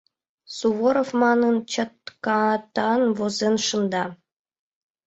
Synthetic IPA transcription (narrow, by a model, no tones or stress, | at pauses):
suβoɾofmɑnɤnt͡ɕə̆t̪kɑt̪ɑnvozenʃɤ̆nd̪ɑ